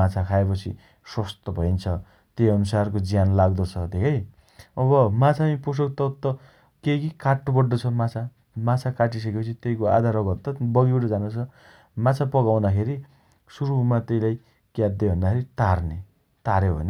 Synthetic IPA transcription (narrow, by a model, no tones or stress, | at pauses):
at͡sʰakʰaepʌt͡sʰḭ | swʌst̪ʌbʱʌint͡sʰʌ | t̪eʌnusarkod͡zijanlaɡd̪ʌt͡sʰʌd̪ʱekʰʌj | ʌβʌmat͡sʰamipos̬ok̚t̪ʌt̪ːʌ | kekikaʈːobʌɖːʌt͡sʰʌmat͡sʰa | mat͡sʰakaʈ̬is̬ʌkepʌt͡sʰit̪ejkoa̰d̪ʱaɾʌɡʌt̪ʌbʌɡiwʈʌd͡zanut͡sʰʌ | mat͡sʰapʌɡawnakʰeɾi | suɾumat̪ʌjlaj | kjad̪ːebʱʌnd̪akʰeɾit̪arne | t̪aɾebʱʌ̰ne